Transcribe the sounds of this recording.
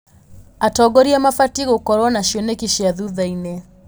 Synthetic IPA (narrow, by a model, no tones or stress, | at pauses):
atɔɡɔɾiɛmafatiɣokɔɾɔnaʃjɔnekiʃiaðuðaine